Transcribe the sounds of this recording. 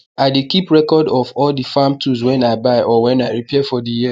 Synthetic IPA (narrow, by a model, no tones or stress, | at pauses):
aɪdekipɹɛkɔdɔvɔldifamtʰuzwɛ̃naɪbaɪʔɔwɛ̃naɪɹipʰɛfɔdiji